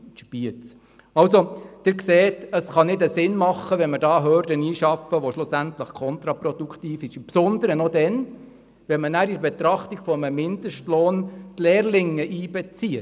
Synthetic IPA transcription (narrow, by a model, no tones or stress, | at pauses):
ʃb̥iət͡s | ɑwsod̥ɪɾkseːtəsχɑnɪdəsɪnmɑχːəʋɛnməɾdɑːɦœːɾdəniːʃɑfəʋoʃlʊsæntləχkʰɔnt̪ɾɑpɾɔd̥ukʰtiːfɪʃɪmpsɔnd̪əɾənɔdɛn | ʋɛnmənæːɾɪəɾbɛt̪ɾɑχtiɡ̥fɔəməmɪnd̪əʃtloːntleːrlɪŋːəʔiːbɛt͡siə